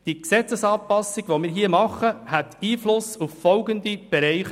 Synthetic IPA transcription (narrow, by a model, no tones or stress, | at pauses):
d̥iksɛt͡səsɑːpɑsɪɡʋomɪːɾɦiəmɑχəhætiːflʊsufːɔlɡənd̪ib̥ɛɾæɪχ